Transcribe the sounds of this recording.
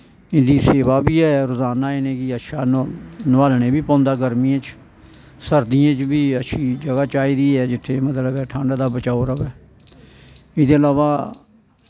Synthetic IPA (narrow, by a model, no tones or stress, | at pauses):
ɪnd̪iːseːʋaːbiːɛːɾʊzaːnaːɪnẽːkɪəʃaːnʋaːlɳ̃eːbiːpɔ̃ːnd̪aːɡəɾmiːãːt͡ʃ | səɾd̪ijãːt͡ʃbiːəʃʰiːd͡ʒəɡaːt͡ʃaːiːd̪iːɛːd͡ʒɪt̪ʰːeːmət̪ləbɛːʈʰãːɳɖaːd̪aːbət͡ʃaːoɾəbɛː | ɪd̪eːəlaːʋaː